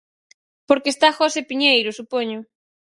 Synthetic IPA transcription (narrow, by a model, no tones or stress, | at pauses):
poɾkest̪axosepiɲejɾʊsupoɲʊ